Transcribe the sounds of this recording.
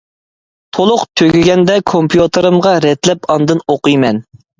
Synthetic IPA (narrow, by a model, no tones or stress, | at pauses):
t̪ʰolˠʊqt̪ʰøɡʲiɡʲɛnd̪ɛkʰompʰjut̪ʰɨɾɨmʁɑɾɛt̪lɛpɑnd̪ɨnoqɨjmɛn